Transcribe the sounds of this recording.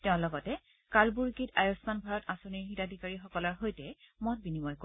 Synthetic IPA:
tɛʊ̃lɔɡɔtɛ | kalbuɹkitajɔsmanbʱaɹɔtãsoniɹɦitadʱikaɹixɔkɔlɔɹɦojtɛmɔt̚binimɔjko

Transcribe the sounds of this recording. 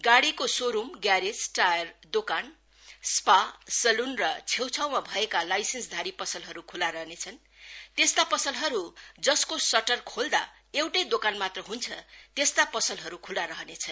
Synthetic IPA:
ɡaɽikosoɾumɡjaɾesʈajʌrd̪okan | spasʌlunrʌt͡sʰewt͡sʰawmabʱʌekalajsensd̪ʱaɽipʌsʌlɦʌɾukʰulaɾʌɦnet͡sʰʌn | t̪est̪apʌsʌlɦʌɾud͡zʌskosʌʈʌrkʰold̪a̰ | ewʈʌjd̪okanmat̪rʌɦunt͡sʰʌt̪est̪apʌsʌlɦʌɾukʰulaɾʌɦʌnet͡sʰʌn

